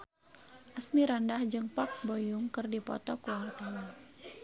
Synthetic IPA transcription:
ʔasmiɾandahd͡ʒɨŋpak̚bojuŋkɨrdipɔ̰t̪ɔkuwark̪aɲa

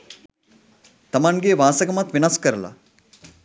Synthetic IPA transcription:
t̪ɐmaŋɡeʋaːsɐɡɐmɐt̪ʋinɐskəɾəla̰

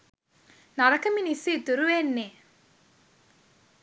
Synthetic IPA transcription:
naɾɐkɐminisid̪uɾuʋeːnːeː

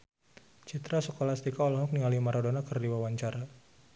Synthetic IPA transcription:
t͡ʃit̪ɾasəkolast̪ikaɔlɔɦɔk̚nialimaɾodonakərdiwawaɲt͡ʃaɾa

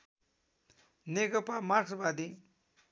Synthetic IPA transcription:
nekəpamaʈʰbad̪i

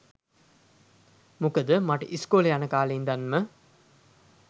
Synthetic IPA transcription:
mukəd̪əmaʈə̰ʔiskoːljanəkaːleːnd̪anmə

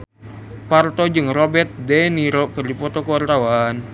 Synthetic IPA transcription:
part̪ɔd͡ʒɨŋrɔbɛrt̪̚dɛniɾɔkɨrdipɔt̪ɔkəwart̪awan

